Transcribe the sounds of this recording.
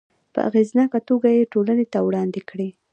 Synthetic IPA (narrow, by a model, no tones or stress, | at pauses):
pə̰ʔa̰ɣeznɑkat̪oɡajeʈolanet̪awɽɑnd̪ekɽi